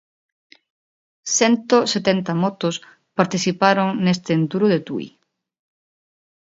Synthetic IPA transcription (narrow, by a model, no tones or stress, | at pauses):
sɛnt̪oset̪ɛnt̪ɐmɔt̪os | paɾt̪iθipaɾoŋnest̪eːnt̪uɾʊðet̪ṵḭ